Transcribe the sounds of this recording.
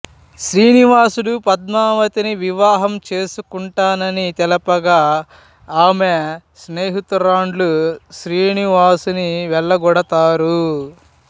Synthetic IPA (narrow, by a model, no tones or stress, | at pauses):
ʃɾiːniʋaːsuɽupɐd̪maːʋɐt̪iniʋiʋaːɦɐmt͡ʃe̞ːsukuɳʈaːnɐnit̪ɛlɐpɐɡaː | aːmesneːɦit̪uɾaːɳɖluʃɾiːniʋaːsuniʋɛɭːɐɡɔɽɐt̪aːɾu